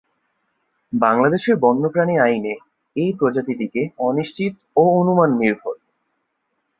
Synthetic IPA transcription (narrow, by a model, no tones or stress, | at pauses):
baŋlad̪eʃeɾbɔnːopɾaniajne | ejpɾod͡ʑat̪id̪ikeɔniʃt͡ɕit̪ | oonumanːiɾbʱoɾ